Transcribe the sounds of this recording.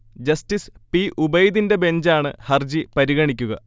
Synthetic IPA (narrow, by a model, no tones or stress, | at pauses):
d͡ʑɐstispiʔubɐjd̪inde̞be̞ɲd͡ʑaːɳɨhɐrd͡ʑipɐɾiɣɐɳikʲːuɣɐ̰